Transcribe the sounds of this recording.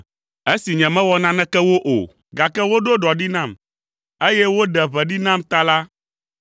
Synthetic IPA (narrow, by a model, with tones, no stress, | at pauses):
e˦si˨ɲɛ̃˨mɛ̃˦wɔ˦nã˦nɛ̃˦kɛ˦wo˦ʔo̰˨ | ɡa˨kɛ˦wo˦ɖo˦ɖɔ˨ɖi˦nã˦˨m | e˦jɛ˦wo˦ɖɛ˨βɛ˨ɖi˦nã˦˨mt̪a˦la˦